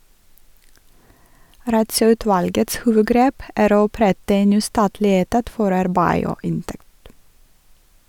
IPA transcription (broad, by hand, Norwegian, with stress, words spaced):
ˌɾɑtsœʉˈtʋɑlɡəts ˈhuːʋəˌɡɾeːp ˈæːɾ ˈoː ɔˈpɾɛtə ˈeːn ˈnyː ˈstɑːtlɪ ˈeːtɑt ˈfɔɾ ˈɑɾbæɪ ˈoː ˈɪnˌtɛkt